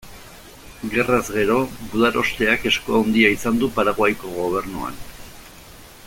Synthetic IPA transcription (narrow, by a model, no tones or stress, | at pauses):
ɡe̞razɣe̞ɾo̞buðaɾo̞st̪e̞ake̞skoawnd̪iaisand̪upaɾaɣwajko̞ɣo̞β̞e̞ɾnua̰n